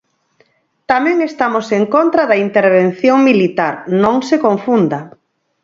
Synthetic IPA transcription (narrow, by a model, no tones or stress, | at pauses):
t̪amɛ̃ŋest̪amoseŋkont̪ɾaðɐint̪eɾβ̞en̟θjoŋmilit̪aɾnõŋsekõɱfund̪ɐ